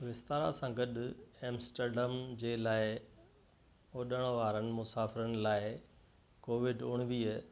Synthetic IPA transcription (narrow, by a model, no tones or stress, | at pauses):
ʋɪst̪aːɾa̰sãɡəɗeːmsʈəɾɖəmd͡ʑeːlaːɪ | oːɗəɽ̃ʋaːɾənɪ̆mʊsaːfɪɾənɪ̆laːɪ | koːʋɪɖʊɽ̃ɪʋiə